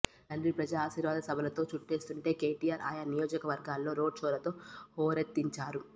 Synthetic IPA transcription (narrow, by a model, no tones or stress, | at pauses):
ɐnipɾɐd͡ʒaːʃiːɾʋaːd̪ɐsɐbʱɐlɐt̪o̞ːt͡ʃuʈːe̞ːst̪uɳʈe̞ːke̞ːʈijaːɾʔa̰ːjɐnijoːd͡ʒɐkɐʋɐɾɡaːlːo̞ːɾo̞ːɖ̚t͡ʃɔːlɐt̪o̞ːhɔːɾɐt̪ːiɲt͡ʃaːɾu